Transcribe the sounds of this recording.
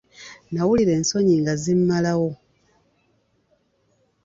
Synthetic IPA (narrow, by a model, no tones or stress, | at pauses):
nawuliɾe̞ːnso̞ɲiŋɡazimːalawo̞